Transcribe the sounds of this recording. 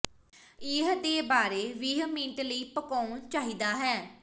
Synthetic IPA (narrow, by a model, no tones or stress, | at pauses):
ɪɦd̪eːbaːɾeːʋiːɦmĩːt̪ləiːpəkaːnt͡ʃaːɦiːd̪aːɦɛː